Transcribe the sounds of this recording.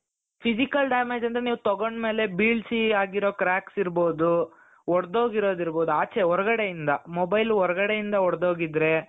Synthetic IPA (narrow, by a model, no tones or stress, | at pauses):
pʰisikɐlɖaːmeːd͡ʒɐnd̪ɐɾeniːʋut̪ɔɡoɳɖme̞ːle̞biːɭsiaːɡiɾoːkɾaːksiɾboːd̪u | ɔɽd̪o̞ːɡiɾo̞ːd̪iɾboːd̪uaːt͡ʃeɦɔɾɐɡɐɽejind̪ɐmɔbɐjlɦɔɾɐɡɐɽejind̪ɐɔɽd̪oːɡid̪ɾe̞